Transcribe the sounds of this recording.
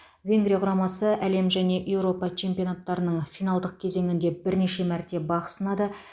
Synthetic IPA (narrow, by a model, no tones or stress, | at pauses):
vʲe̞ŋɡɾʲijɑqʰʊɾɑmɑsəʔæle̞mʒæne̞ʔje̞wɾo̞pɑt͡ʃʰe̞mpʲio̞nat̪ːɑɾənəɴfijnɑlˠd̪əq̚kʲʰe̞ze̞ŋɪnd̪e̞bɪɾne̞ʃe̞mæɾt̪e̞bɑqə̥sənɑd̪ə